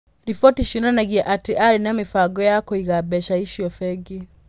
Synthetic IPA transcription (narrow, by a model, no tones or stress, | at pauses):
ɾifɔtiʃinanaɡiaʔatiʔaɾinaɔmifaɡɔjakɔiɣabɛʃaiʃiɔfɛɡi